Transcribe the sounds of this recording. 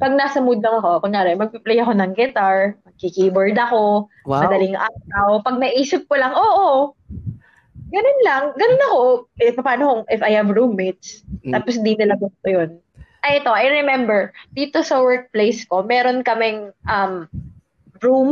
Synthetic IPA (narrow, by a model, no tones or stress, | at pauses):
pɐɡ̚naːsɐmuːd̪lɐŋɐko̞koŋːaːnɛmɐɡ̚piplɛjɐko̞nɐŋɡɪt̪aɹmɐɡ̚kikibɛɹd̪ɐko̞ | mɐd̪ɐlɪŋʔaawpɐɡ̚nɐʔiːsɪp̚kolɐŋʔoːʔo | ɡɐnonlɐŋɡɐnonɐko̞ʔɛpɐpaːnokoŋʔɪfɐjhɐvɹumːit̪st̪aːposɪd̪inɪlɐbʊst̪ojon | ʔɐjɛt̪o̞ʔajɾɛmɛmbɛɹd̪̥iːt̪o̞sɐwɛɹk̚plejsko̞mɛːɾo̞nkɐmɪŋʔɐm | ɹum